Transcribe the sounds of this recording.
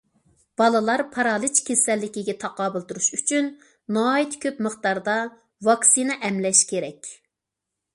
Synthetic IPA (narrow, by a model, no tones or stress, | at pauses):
b̥ɑlˠɨlˠɑɾpʰɑɾɑːlˠɨt͡ʃkʲʰesɛlːɪkʲiɡʲɛt̪ʰɑqɑːbɨlˠt̪uɾuʃyt͡ʃʰynː | ɑːit̪kʲʰøpməχt̪ɑɾd̪ɑ | vɑksinɛʔɛmlɛʃkʲʰeɾɛkʲ